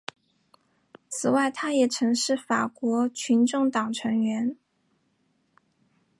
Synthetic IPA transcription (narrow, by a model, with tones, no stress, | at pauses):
t͡sʰɹ̩˨˩wa˥˩ɪt̪ʰa˥jɛ˨˩ʈ͡ʂʰɤ˧˥ŋʂɻ̩˥˩fa˨˩kwɔ˧˥t͡ɕʰy˧˥nʈ͡ʂʊ˥˩ŋt̪ɑ˨˩ŋʈ͡ʂʰɤ˧˥ŋɥɛ˧˥n